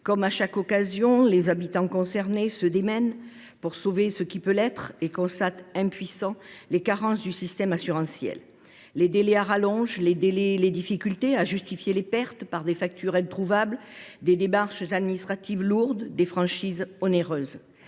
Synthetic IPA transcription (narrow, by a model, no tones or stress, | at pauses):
kɔmaʃakɔkazjɔ̃lezabit̪ɑ̃kɔ̃sɛʁnesəd̪emɛn | puʁsovesəkʲipølɛt̪χekɔ̃st̪at̪ɛ̃pɥisɑ̃lekaʁɑ̃sd̪ysist̪ɛmasyʁɑ̃sjɛ̰lː | ed̪elɛaʁalɔ̃ʒled̪eleled̪ifikʲylt̪eaʒyst̪ifjelepɛʁt̪paʁd̪efak̚t̪ʰyʁɛ̃t̪χuvabld̪ed̪emaʁʃzad̪minist̪χat̪ivluʁd̪d̪efχɑ̃ʃizɔneʁøz